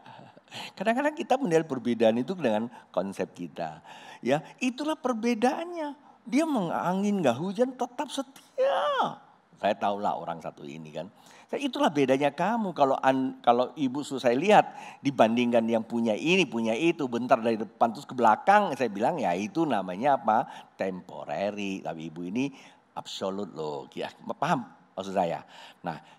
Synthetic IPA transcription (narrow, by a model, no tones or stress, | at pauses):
kadaŋkadaŋkit̪amənialpərbedaːnit̪̬udəŋankɔnsɛp̚kit̪a̰jait̪ulahpərbedaʔanɲadiaməŋa̰ŋɪnɡaɦud͡ʒant̪ət̪ap̚sət̪ia | sajat̪aula̰o̰ɾa̰ŋsa̰t̪ṵḭnḭka̰n | saait̪ulahbedaɲakamukaloʔankaloʔibususajaliɦat̪̚dibandiŋkanjaŋpuɲaʔinipuɲait̪ubənt̪ardaɾidəpant̪ɾʊskəblakaŋsajabilaŋjait̪unamaɲaːpat̪empo̰ɾḛɾita̰piibuini | ʔa̰psolʊt̪̚lo̰ɡia̰apaɦam | mas̬usaja̰na̰h